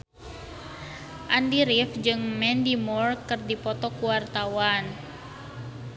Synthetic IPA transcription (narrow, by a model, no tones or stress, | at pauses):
ʔandiɾifd͡ʒɨŋmɛndimɔrkɨrdipɔt̪ɔkuwart̪awan